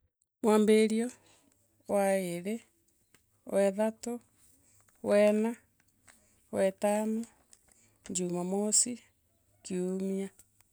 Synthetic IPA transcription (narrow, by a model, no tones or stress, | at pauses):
mwaːmbeɾiɔ | waeɾe | wɛðato | wɛna | wɛtano | ɲd͡ʒumamosi | kiumia